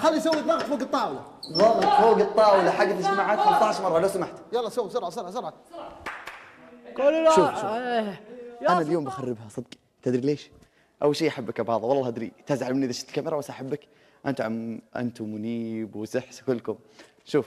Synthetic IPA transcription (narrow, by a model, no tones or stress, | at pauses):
xalːisawːiðˤɑɣt̪foːɡɨt̪ˤːɑːʕwɪlaðˤɑɣt̪ˤfoːɡɨt̪ˤːɑːʕwɪlːaħaɡːat̪lɪd͡ʒt̪amaʕaːt̪xamt̪ˤɑʕɪʃmɑrˤːɑlosamaħt̪jɑlːɑsawːsʊɾˤʕɑsʊɾˤʕɑsʊɾˤʕɑ | kʊlʃuːf | ʔanaljoːmbaxarːɪbhasˤɨd̪q | t̪ɪd̪ɾileːʃ | ʔawːalʃejːʔaħabːakabʕɑːðˤɑwɑlˤːɑːʔad̪ɾḭt̪aːzaʕalmɪnʔɪðaʃɪt̪lkamːɪɾˤawasːaʔaħabːak | ʔant̪ʕamʔa̰nt̪umʊniːbwɪsɪħskʊlːkʊm | ʃuːf